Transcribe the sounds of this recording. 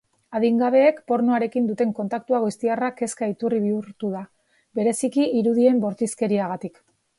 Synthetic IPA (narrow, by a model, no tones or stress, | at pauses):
aðiŋɡaβ̞e̞ːkpo̞ɾnuaɾe̞kind̪ut̪e̞ŋko̞nt̪akt̪uaɣuist̪iarake̞skait̪uriβ̞iuɾt̪uða | be̞ɾe̞sikiiɾuð̞ie̞mbo̞ɾt̪iske̞ɾiaɣ̞at̪ik